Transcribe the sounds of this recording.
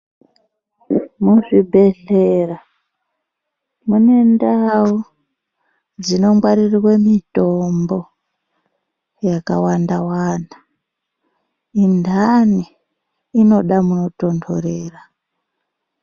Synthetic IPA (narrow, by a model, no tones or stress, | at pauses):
muʐibʱe̞ɮeːra | mune̞ndawu | d͡zino̞mɡwaɾirwemito̞mbo̞ | jaka̰wandawaːna | indʱaniː | no̞ɗamuno̞to̞ndʰoɾeːra